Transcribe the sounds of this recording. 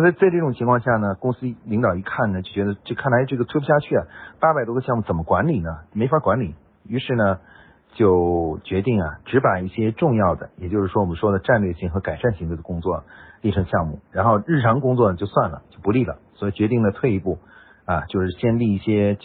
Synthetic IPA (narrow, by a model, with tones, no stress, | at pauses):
t͡sa˥˧ɪt͡sa˥˧ɪʈ͡ʂɤ˥˩ʈ͡ʂʊ˨˩ŋt͡ɕʰi˧˥ŋkʰwɑ˥˧ŋɕja˥˩nə˩kʊ˥ŋsɹ̩˥li˧˥ŋt̪ɑ˨˩i˧˥kʰa˥˩nnə˩t͡ɕjo˥˩ʊt͡ɕɥɛ˧˥d̪ə˧ʈ͡ʂɤ˥˩kʰa˥˩nla˧˥ɪʈ͡ʂɤ˥˩ɡət̪ʰwe˥˧pʰu˥ɕja˥˧t͡ɕʰy˥˩ɐ˩pa˥pa˨˩ɪwɔ˥ə˧ɕjɑ˥˧ŋmu˥˩t͡sə˨˩nmə˦kwa˧˥nli˨˩nə˦˥˩me˧˥ɪfa˧˥kwa˧˥nli˨˩ | y˧˥ʂɻ̩˥˩nə˩ | t͡ɕjo˥˩ʊt͡ɕɥɛ˧˥t̪i˥˩ŋɐ˩ʈ͡ʂɻ̩˧˥pa˨˩i˥˩ɕjɛ˥ʈ͡ʂʊ˥˧ŋjɑ˥˩ʊd̪ə̰˩jɛ˨˩t͡ɕjo˥˧ʊʂɻ̩˥˩ʂwɔ˥wɔ˨˩mə˦nʂwɔ˥d̪ə˨ʈ͡ʂa˥˧nlɥɛ˥˩ɕi˥˩ŋxɤ˧˥ka˨˩ɪʂa˥˧nɕi˧˥ŋt̪we˥˩d̪ə˧kʊ˥ŋt͡swɔ̰˥˩li˥˩ʈ͡ʂʰɤ˧˥ŋɕjɑ˥˧ŋmu˥˩ɻa˧˥nxo˥˧ʊɻɻ̩˥˩ʈ͡ʂʰɑ˧˥ŋkʊ˥ŋt͡swɔ˥˩nə˩t͡ɕjo˥˧ʊswa˥˩nlə̰˩t͡ɕjo˥˩ʊpu˧˥li˥˩lə̰˩swɔ˧˥i˨˩t͡ɕɥɛ˧˥t̪i˥˩ŋd̪ə˩t̪ʰwe˥˧ɪ˥pu˥˩ | ɐ˨t͡ɕjo˥˧ʂɻ̩˥˩ɕjɛ˥nli˥˧i˥˩ɕjɛ˥